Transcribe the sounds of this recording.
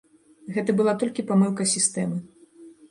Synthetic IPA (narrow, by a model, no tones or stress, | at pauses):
ɣɛt̪ɐbɨlˠat̪ɔlʲkʲipamɨlˠkɐsʲist̪ɛmɨ